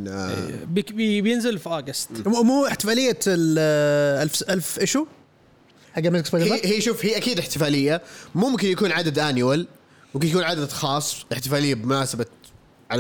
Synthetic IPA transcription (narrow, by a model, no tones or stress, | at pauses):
bbbjɪnzɪlfʔɑɡast̪umuːɪħt̪ɪfaːlɪjːa | ʔalfʔalfʔɪʃu | haɡːamɪzksbaːd̪hiːʃuːfhiːʔakiːd̪ɪħt̪ɪfaːlɪjːamʊmkɪnjakuːnʕad̪ad̪ʔaːnjwal | mʊmkɪnjakuːnʕad̪ad̪xɑːsˤʔɪħt̪ɪfaːlɪjːabɪmʊnaːsaba | ʕal